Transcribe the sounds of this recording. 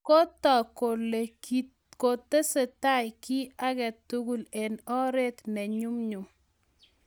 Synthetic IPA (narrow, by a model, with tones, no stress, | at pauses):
ko˦tɔ˨ko˨le˨i | ko˨t̪e˦se˨ta˦˨jkɪ˦a˦ɡɛ˨tu˦ɡu˦˨le˨nɔ˦ɾe˦t̪nɛ˨ɲu˦mɲu˨m